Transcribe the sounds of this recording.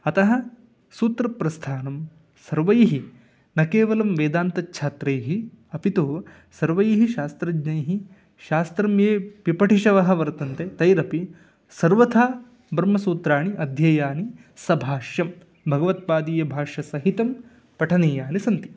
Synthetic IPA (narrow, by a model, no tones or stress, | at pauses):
ɐt̪ɐɦɐ̆ | suːt̪ɾɐpɾɐst̪ʰaːnɐm | sɐɾʋɐjɦi | nɐkeːʋɐlɐmʋeːd̪aːnt̪ɐtːʃʰaːt̪ɾejɦi | ɐpit̪u | sɐɾʋɐjɦiʃaːst̪ɾɐd͡ʒnɐjɦi | ʃaːst̪ɾɐmjeːpipɐʈʰiʃɐʋɐɦɐ̆ʋɐɾt̪ɐnt̪et̪ɐjɾɐpi | sɐɾʋɐt̪ʰaː | bɾɐmɐsuːt̪ɾaːɳiʔɐd̪ʱjɐjaːni | sɐbʱaːʃjɐm | bʱɐɡɐʋɐt̪̚paːd̪iːjɐbʱaːʃɐsɐɦit̪ɐm | pɐʈʰɐneːjaːnisɐnt̪i̥